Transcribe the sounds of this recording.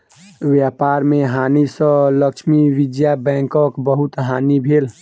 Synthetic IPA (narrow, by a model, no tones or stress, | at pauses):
wjapaɾmeɦanisə̃ləkʃmiʋid̪jabɛ̃ːŋkəkbəɦut̪ɦanibʱel